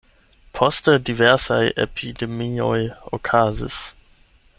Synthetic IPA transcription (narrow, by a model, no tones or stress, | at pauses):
pʰɔstədivɛʁsajḛpʰidemiojokʰaːzḭs